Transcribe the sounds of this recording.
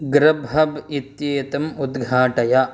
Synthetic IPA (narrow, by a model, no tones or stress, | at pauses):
ɡɾɐbɐbit̪jeːt̪ɐmud̪ɡʱaːʈɐja